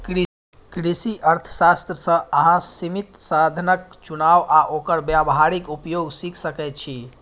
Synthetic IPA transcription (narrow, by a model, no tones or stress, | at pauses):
kɾ | kɾisiʔəɾt̪ʰə̥sast̪ɾəsə̃əɦãsimit̪sad̪ʱənəkt͡ʃunawʔaʔokəɾbjabɦaɾikupjoɡsikʰsəkɛjt̪̚t͡ʃʰi